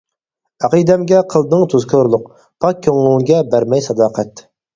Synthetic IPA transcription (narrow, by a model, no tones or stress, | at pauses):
æqʰijd̪ɛmɡʲɛqʰəlˠd̪ɨŋt̪ʰuzkʲʰoɾlˠʊq | pʰɑk̚ʲʰːøŋlˠuŋɡʲɛbæɾmɛjsɑd̪ɑːqʰɛt̪